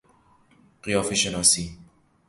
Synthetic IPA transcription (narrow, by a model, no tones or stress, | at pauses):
ɢijɒːfeʃenɒːsi